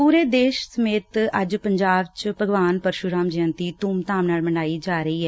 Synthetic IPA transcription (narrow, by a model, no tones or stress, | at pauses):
puːɾeːd̪eːʃsəmeːt̪əd͡ʒpəɲd͡ʒaːʋt͡ʃpəɡʋaːnpəɾʃuɾaːmd͡ʒɪə̃nt̪iːt̪uːmt̪aːmnaːlməɳaːiːd͡ʒaːɾəiːɦɛː